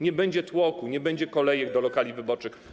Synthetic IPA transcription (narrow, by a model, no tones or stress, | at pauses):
ɲɛbɛɲd͡ʑɛt̪wɔkuɲɛbɛɲd͡ʑɛkɔlɛjɛɡ̚d̪ɔlɔkalʲivɘbɔt͡ʂɘx